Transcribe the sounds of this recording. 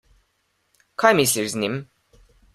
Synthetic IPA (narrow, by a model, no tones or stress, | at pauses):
kʰajmislʲiɾznim